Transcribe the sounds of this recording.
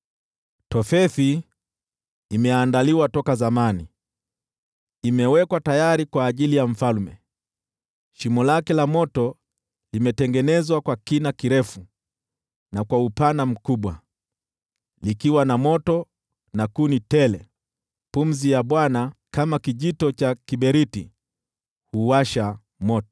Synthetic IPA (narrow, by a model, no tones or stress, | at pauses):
tɔfɛθi | mɛandaliwatɔkazamani | imɛwɛkwatajaɾikwaːʄilijam̩falmɛ | ʃimɔlakɛlamɔtɔ | limɛtɛŋɡɛnɛzwakwakinakiɾɛfu | nakwaupanam̩kuɓwa | likiwanamɔtɔ | nakunitɛlɛ | pum̩zijaɓwanakamakiʄitɔt͡ʃakiɓɛɾiti | huwaʃa | mɔtɔ̥